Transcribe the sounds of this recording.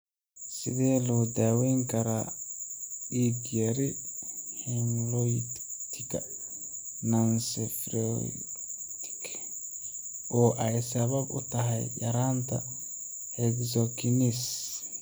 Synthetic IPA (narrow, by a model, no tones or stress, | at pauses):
sɪ̰ðɛːlɔːd̪aːwɛjŋkʰɐɾaː | iːɡjɐɾɪhɛmlɔjt̪ʰɪɡɐ̰ | nansɛfɾɔ | t̪ɪ̥k | ʔɔːʔɛjsɐβɐbʊ̰t̪ʰɐɦɛ̰jjɐ̰ɾaːnt̪ʰɐ̰ | hɛɡzɔkʰinis